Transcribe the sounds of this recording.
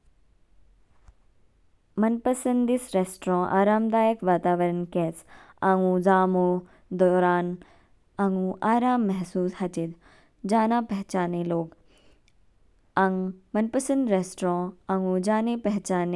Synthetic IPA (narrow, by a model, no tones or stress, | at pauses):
mɐnpəsə̃nd̪isɾeːsʈɾõːʔa̰ːɾaːmd̪aːjəkʋaːt̪aːʋəɾənkɛːt͡sãːŋũzaːmoː | d̪ɔːɾaːn | ãŋũʔaːɾaːmːɐɦsuːshɐt͡ʃid̪ | d͡ʒaːnãːpɐɦt͡ɕaːneloːɡ | aŋmɐnpəsə̃nd̪ɾeːsʈɾõːãːŋũd͡ʒaːnepɐɦt͡ʃaːne